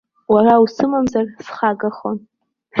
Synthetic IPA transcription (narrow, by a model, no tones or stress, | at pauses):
warawsɨmamzarsχaɡaχon